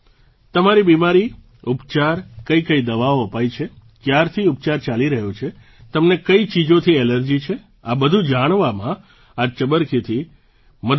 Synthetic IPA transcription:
t̪əmaɾibimaɾi | upt͡ʃaɾkəikəid̪əʋaoəpajt͡ʃʰe | kjaɾt̪ʰiup̚t͡ʃaɾt͡ʃaliɾəɦjot͡ʃʰe | t̪əmnekəit͡ʃid͡ʒot̪ʰiɛləɾd͡ʒit͡ʃʰe | abəd̪ʱũd͡ʒaɽ̃ʋamã | at͡ʃəbəɾkʰit̪ʰi | mə

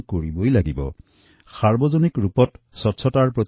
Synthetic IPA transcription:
koɹibojlaɡibɔ̰ | saɹbɔzonikɹupɔt | sɔtsʰɔtaɹpɹɔt̪

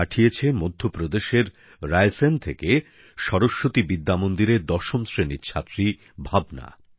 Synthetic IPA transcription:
aʈʰijet͡ɕʰemod̪ʱːopɾod̪eʃeɾ | ɾajsent̪ʰeke | ʃɔɾoʃːot̪ibid̪ːamond̪iɾed̪ɔʃomsɾeniːɕʰat̪ːɾi | bʱabna̰

